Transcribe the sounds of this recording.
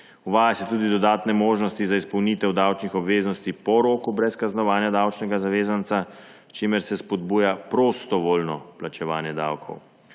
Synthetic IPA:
uʋaːjasɛt̪uːd̪id̪ɔd̪aːt̪nɛmoːʒnɔst̪izaispɔwnit̪ɛwd̪awt͡ʃnixɔbʋeːznɔst̪ipɔɾoːkubɾɛskaznɔʋaːnjad̪awt͡ʃnɛɡazaʋeːzant̪sa | t͡ʃeːmɛɾsɛspɔd̪buːjapɾost̪ɔʋoːlnɔplat͡ʃɛʋaːnjɛd̪a̰wkʰɔ̰w

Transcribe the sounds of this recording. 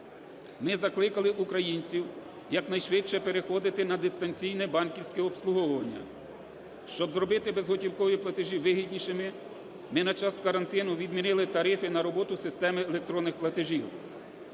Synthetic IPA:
mɪzɐklˠɪkɐlˠɪʔukɾɐjinʲt͡sʲiw | jɐknɐjʃʋɪtʲt͡ʃɛpeɾexɔd̪ɪt̪ɪnɐd̪ɪst̪ɐnʲt͡sʲijnɛbɑnkʲiwsʲkɛɔpslˠʊɦɔwʊʋɐnʲːɐ̰ | ʃt͡ʃɔbzɾɔbɪt̪ɪbezɦɔtʲiwkɔʋiplˠɐt̪ɪʒiʋɪɦid̪ʲnʲiʃɪmɪ | mɪnɐt͡ʃɑskɐɾɐnt̪ɪnʊʋʲid̪mʲinɪlˠɪt̪ɐɾɪfɪnɐɾɔbɔt̪ʊsɪst̪ɛmɪːlʲˠek̚t̪ɾɔnːɪxplˠɐt̪ɪʒiw

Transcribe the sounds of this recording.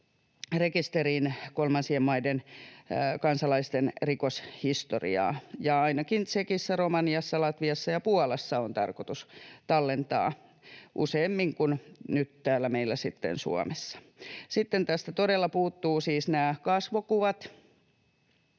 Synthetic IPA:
rekist̪eriːnkolmɑnsiemmɑiden | kɑnsɑlɑist̪enrikoshist̪o̰rḭɑ̰ːjɑɑinɑkinsekisːæromɑniɑsːɑlɑt̪ʋiɑsːɑjɑpuɑlesːɑont̪ɑ̰rkot̪ust̪ɑlːent̪ɑ̰ː | ʔṵseːmːiŋkunnyt̪t̪æːlːæmeilːæsit̪ːḛnsṵɑ̰mesːɑ̥ | sit̪ːent̪æst̪æt̪odelːɑpuːt̪ːuːsiːsnæːkɑsʋokuʋɑt̪

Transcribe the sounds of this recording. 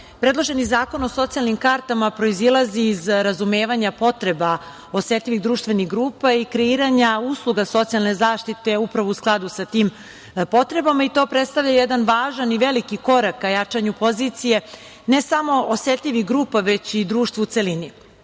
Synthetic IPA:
pɾe̞d̪lˠo̞ʒe̞nizaːko̞no̞so̞t̪sijalˠnimkaɾt̪amapɾo̞izilˠaziːzɾazume̞ːʋaɲapo̞t̪ɾe̞ba | ose̞t̪ʎʲiʋiɣd̪ɾuːʃt̪ʋe̞niɣɡɾuːpaikɾeiːɾaɲauːslˠuɡaso̞t̪sijalˠne̞zaːʃt̪it̪e̞upɾaʋo̞usklˠad̪usat̪iːm | po̞t̪ɾe̞bamait̪o̞pɾet̪st̪aʋʎajed̪anʋaːʒaniʋe̞likiko̞ɾakːajat͡ʂaɲupo̞ziːt̪sije̞ | ne̞samo̞oset̪ʎʲiʋiɣɡɾuːpaʋe̞t͡ɕid̪ɾuːʃt̪ʋut̪elini

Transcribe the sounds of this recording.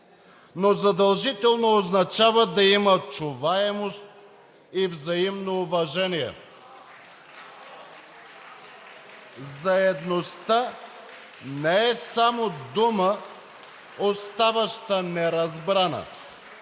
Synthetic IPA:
nozɐd̪ɐlˠʒit̪ɛlˠnoːznɐt͡ʃavəd̪ɐimət͡ʃʊvaɛmost̪̚ | ivzɐimnoːvɐʒɛniɛ̰ | zɐɛd̪nost̪ə | nɛɛsamod̪umə | ost̪avɐʃt̪ənɛɾɐzbɾanə̰

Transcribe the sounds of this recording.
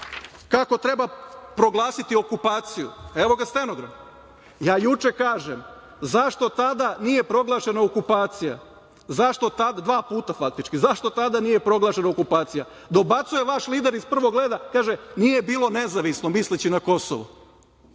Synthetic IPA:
kako̞t̪ɾe̞bapɾo̞ɡlˠaːsit̪io̞kupaːt̪sijṵe̞ʋo̞ɡast̪eno̞ɡɾa̰n | jaːjut͡ʃekaːʒem | zaʃt̪o̞t̪ad̪anije̞pɾo̞ɡlˠaːʃe̞naokupaːt̪sija̰ | zaʃt̪o̞t̪ad̪d̪ʋaːpuːt̪afak̚t̪it͡ʃkizaʃt̪o̞t̪ad̪anije̞pɾo̞ɡlˠaʃe̞naokupaːt̪sija | d̪o̞bat̪suje̞ʋaʃliːd̪eɾispr̩ʋoɡleːd̪akaːʒenije̞biːlˠo̞ne̞zaʋisnomislit͡ɕinako̞so̰ʋo̰

